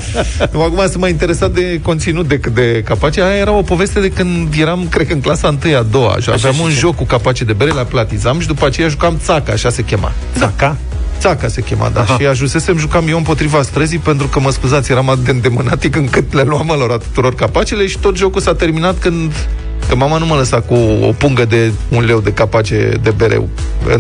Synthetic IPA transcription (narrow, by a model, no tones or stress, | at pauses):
uakumasɨnmajint̪e̞ɾe̞sat̪̚d̪e̞ko̞nt̪sinut̪̚d̪e̞kɨt̪̚d̪e̞kapat͡ʃeajaje̞ɾamo̞po̞ve̞st̪e̞d̪e̞kɨnd̪je̞ɾamkɾekɨŋklasaɨnt̪ɨjad̪o̞wa̰ʃa̰veamunʒo̞kːukapat͡ʃed̪e̞beɾelaplat̪izamʃid̪upəat͡ʃe̞jaʒukamt̪sakaːʃase̞kʲe̞ma̰ | aa | t̪sakase̞kʲe̞ma̰d̪a̰ʃiaʒuse̞se̞mʒukamje̞wɨmpo̞t̪ɾivast̪ɾəzijpe̞n̪t̪ɾukəməskuzat̪sʲje̞ɾamaɨt̪eɨnd̪e̞mɨnat̪ikɨŋkɨt̪leluaməlo̞ɾat̪u̥t̪uɾo̞rkapat͡ʃe̞le̞ʃi̥t̪o̞t̪ʒo̞kulsat̪e̞rminat̪kɨnd̪ | kəmamanumələsakuo̰puŋɡəd̪e̞ | unle̞wd̪e̞kapat͡ʃe̞̰d̪e̞be̞ɾʔḛw | ɨ̰